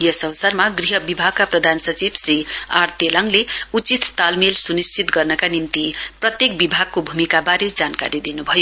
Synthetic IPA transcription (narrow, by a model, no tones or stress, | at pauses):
jʌsʌwsʌrmaɡriɦʌbibʱaɡ̚kaprʌd̪ʱansʌt͡sibsriart̪elʌŋleut͡sit̪ːalmelsunist͡sit̪ɡʌrnʌkanimt̪iprʌt̪jekbibʱaɡ̚kobʱumikabaɾid͡zanka̰ɾid̪inubʱʌjo